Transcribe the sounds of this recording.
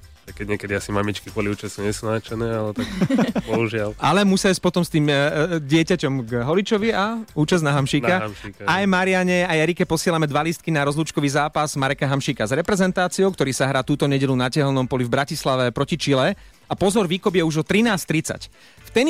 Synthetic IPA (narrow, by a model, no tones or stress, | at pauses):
akɛɟɲɪɛkɛd̪iasimamit͡ʃkibɔliuːt͡ʃɛsuɲɛsnaːt͡ʃɛnɛːalɛt̪akbɔuʒɪalʔalɛmusaisc̚pɔt̪ɔmst̪iːmɟɪɛcacɔmɡɦɔlit͡ʃɔʋiauːt͡ʃaznaɦamʃiːnkamʃkaajmaɾiɪaɲɛajaɾikɛpɔsɪɛlamɛd̪ʋalist̪̚kinaɾɔzluːt͡ʃkɔʋiːzaːpazmaɾɛkaɦamʃiːkazɾɛpɾɛzɛnt̪aːt͡siɔʊk̚t̪ɔɾiːsaɦɾaːt̪uːt̪ɔɲɛɟɛʎunacɛɦlnɔmpɔlivbɾacislaʋɛpɾɔcit͡ʃilɛ | apɔzɔɾʋiːkɔbjɛuʒɔt̪ɾinaːst̪ɾit͡sa̰c | ft̪ɛn